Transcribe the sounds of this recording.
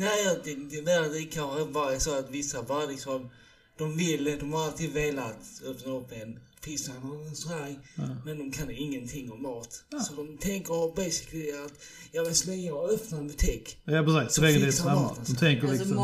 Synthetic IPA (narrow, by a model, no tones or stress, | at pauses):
næɪad̪ɛd̪ɛveɾat̪ɛkʰanxəvaɾɛsɔat̪vɪsːavɑlɪksɔm | d̪̥ɔmvɪlːd̪ɔmhaɾalt̪ʰiːd̪veːlat̪œpnaɔpːɛn | pʰɪsananɛnsɔɾaɾmɛnd̪ɔmkʰanɪŋːənt̪ʰɪŋːɔmmːɑːt̪sɔd̪ɔmt̪ʰɛŋkəɾbeɪsɪ̥klɪat̪ | jɑːvɛslɛŋəœpnabʉt̪ʰiːkjɑːpʰɾɛsiːssɛɛsaaɔmt̪ʰɛŋkəɪ